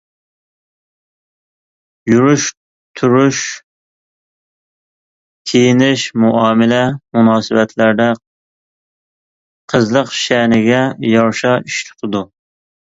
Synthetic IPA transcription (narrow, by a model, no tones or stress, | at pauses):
juɾuʃ | t̪ʰuɾuʃ | kʲʰejinɪʃmuʔɑːmɪlɛmunɑːsɨbɛt̪ʰlæɾd̪ɛ | qʰəzlˠəqʃɛnɪɡʲɛjɑɾʃɑiʃt̪ʰɪ̥t̪ʰɨd̪u